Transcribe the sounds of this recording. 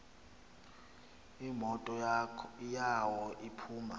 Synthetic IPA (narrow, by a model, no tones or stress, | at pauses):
imɔtʼɔ | jawɔʔipʰuːma̰